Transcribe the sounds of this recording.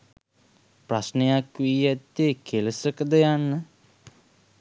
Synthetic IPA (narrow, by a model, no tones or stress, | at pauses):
prasnejakʋijæt̪ːekʰeləsəkəd̪əjanːə